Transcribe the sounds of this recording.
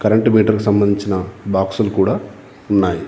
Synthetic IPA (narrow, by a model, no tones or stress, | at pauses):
kɐɾɐɳʈumiːʈɐɾkusɐmbɐnd̪iɲt͡ʃinɐbaːksulukuːɽaː | unːaːji